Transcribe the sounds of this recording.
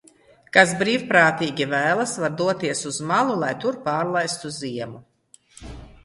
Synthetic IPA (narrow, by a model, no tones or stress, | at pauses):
kas̬bɾiːwpɾaːt̪iːɡʲivæːlˠasvaɾd̪uɔt̪iɛsuzmalˠulˠajt̪uɾpaːɾlˠajst̪uziɛmu